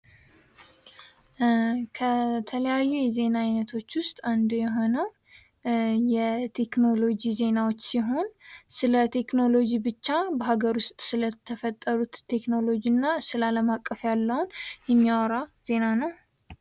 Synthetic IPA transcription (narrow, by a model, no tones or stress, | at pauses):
kʰət̪ʰələjajːujɛze̞naajnət̪ʰo̞t͡ʃːwʊst̪ʼand̪ujɛɦo̞nəw | jɛt̪ʰe̞kno̞lo̞d͡ʒize̞nawo̞t͡ʃːsiɦo̞nsɨlət̪ʰe̞kno̞lo̞d͡ʒibɨt͡ʃːabəɦaɡəɾwʊst̪ʼsɨlət̪ʰːəfət̪ʼːəɾut̪ʰːe̞kno̞lo̞d͡ʒinːasɨlaləmakʼːəfjalːəhunjɛmːiawɾaz̥e̞nanəw